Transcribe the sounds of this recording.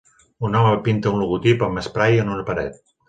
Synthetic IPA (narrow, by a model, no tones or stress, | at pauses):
unɔməpint̪əunluɣut̪ipəməspɾajənunəpəɾɛt̪̚